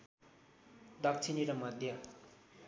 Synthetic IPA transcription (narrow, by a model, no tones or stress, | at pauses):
d̪ʌkt͡sʰiniɾʌmʌd̪ʱjʌ